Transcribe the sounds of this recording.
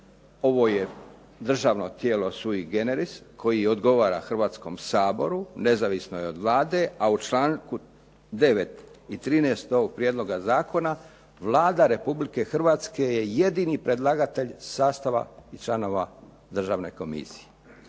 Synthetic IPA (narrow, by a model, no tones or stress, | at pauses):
o̞ʋo̞je̞ | d̪r̩ʒaʋnot̪je̞ːlo̞suiɡe̞neɾiskʰo̞jiod̪ɡo̞ʋaːɾa̰xr̩ʋaːt̪sko̞msaːbo̞̰ɾune̞zaʋisno̞jeo̞d̪ʋlaːd̪e̞aut͡ʃlaːŋku | d̪e̞ʋe̞t̪it̪ɾiːneːst̪oɡ̚pɾjed̪lˠo̞ɡazaːko̞na | ʋlaːd̪aɾe̞publike̞xr̩ʋaːt̪ske̞je̞je̞d̪inipɾed̪lˠaːɡat̪eʎsaːst̪aʋa̰it͡ʃlˠano̞ːʋa | d̪r̩ʒaːʋne̞̰ko̞mḭsi̥e